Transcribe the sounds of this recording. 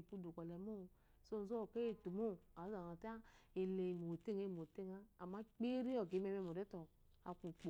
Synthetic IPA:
pu˦du˨kɔ˨lɛ˨˦mo˦˧ | so˦˨˦zo˦˨ke˦e˦˨tu˨mo˦˨a˨˦a˨a˨ta˦e˨le˨mo˨te˦˨ŋe˦˨mo˨te˦˨ŋa˦a˨ma˦k͡pe˦ɾi˦ɔ˨ɡe˨˦me˧mɛ˧mo˨dɛ˦tɔ˨ | a̰˨ku˨k͡po˨

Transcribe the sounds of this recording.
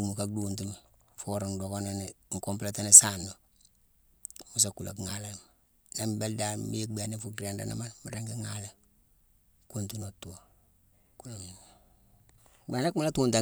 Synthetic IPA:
u˨mu˨ka˦duː˦nt̬i˦m | fo˦ɾo˨ndo˨ko˦na˦niŋ̩˨ko˦mpla˦ta˦ni˦saː˦no˨ | mu˦s̬a˨ku˨lʔo̰˨kŋa˨la˦m | na˦mbe˦lda˦mi˦ɡ͡be˨ni˦fu˦kɾa˨nda̰˦na̰˦ma˦nmi˨ɾa˦ŋɡi˦ŋa˦le˦ | ku˦ntu˦no˨tu˨o˨ | ku˦lo˨mi˨n | ɡ͡be˨na˦ku˦m˦la˦tuː˦nta˨

